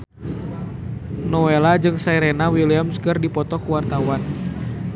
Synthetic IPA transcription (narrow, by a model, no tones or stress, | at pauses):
nɔwelad͡ʒɨŋsaiɾɛnawiliamskɨrdipɔt̪ɔkuwart̪awan